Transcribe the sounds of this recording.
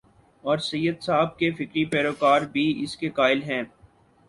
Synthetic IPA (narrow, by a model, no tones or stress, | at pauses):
ɔːɾsɐjːəd̪saːb̚kefɪkɾipɛːɾoːkaːɾbʱiɪskekaːɪlɦɛ̃ː